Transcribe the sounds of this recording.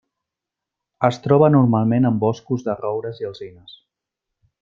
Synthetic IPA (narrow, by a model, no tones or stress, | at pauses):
əst̪ɾɔβənuɾmalˠmenəmbɔskuzðərɔwɾəziəlˠzinəs